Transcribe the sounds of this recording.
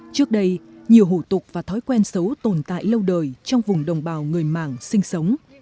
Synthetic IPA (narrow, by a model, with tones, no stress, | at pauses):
t͡ɕɨ˦˥ək̚ɗə˧jɲi˨˩əwɦu˧˩t̪ʊ˨˩k͡p̚vaː˨˩t̪ʰɔ˨˦jkwɛ˧nsə˨˦wt̪o˨˩nt̪a̰ː˧˨jlə˧wɗəː˨˩jt͡ɕɔ˧wŋ͡mvʊ˨˩ŋ͡mɗə˨˩wŋ͡mɓaː˧˩wŋɨ˨˩əjma̰ː˧˩ŋsï˧ŋ̟sə˨˦wŋ͡m